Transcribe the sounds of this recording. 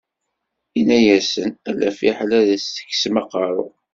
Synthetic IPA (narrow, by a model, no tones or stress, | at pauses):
inæjæsənælæfiħlæðəsθə̥kːsmɑqɑɾˤʊ